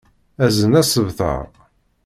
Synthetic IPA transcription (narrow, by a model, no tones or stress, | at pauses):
æzənæsəvθə̰ʁ